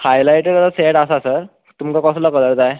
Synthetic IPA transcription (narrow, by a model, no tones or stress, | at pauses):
hajlajʈeɾaaseʈasasəɾ | t̪umkakɔslɔkələɾt̪aj